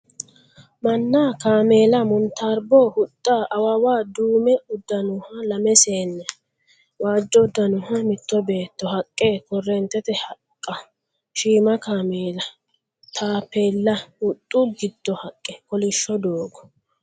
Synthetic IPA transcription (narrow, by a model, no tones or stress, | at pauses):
mɐnːaːkaːmeːlɐmʊnt̪ɐɾbɔhʊt̪ʼːaʔɐwɐwaːd̪uːmɛʊd̪ːɐnʊhɐlɐmɛseːnːɛ | waːd͡ʒːɔʊd̪ːɐnʊhɐmɪt̪ːɔbe̞ːt̪ːɔhɐkʼːeːkɔrːɛnt̪ːɛt̪ɛhɐkʼːɐ | ʃiːmɐkaːmeːlɐ | t̪ʰaːpːeːlːɐʊt̪ʼːʊɡɪd̪̥ːɔhɐkʼːɛkɔlɪʃːɔd̪oːɡɔ̥